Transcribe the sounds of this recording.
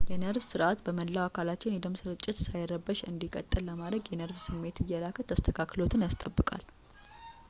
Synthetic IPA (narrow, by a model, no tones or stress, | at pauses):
jɛnəɾbsɨɾʔat̪bəməlːawakʰalat͡ʃːɪnɛd̪əmsɨɾɨt͡ʃʼːɪt̪sajɾəbːəʃɨ̰nd̪ikʼə̰t̪ʼːɨlːəmad̪ɾəɡjɛnəɾbsɨmːe̞t̪ɨjːɛlakʰət̪ʰːəst̪ʰəkʰaklo̞t̪ʰɨnjast̪ʼəbːɨkʼa̰l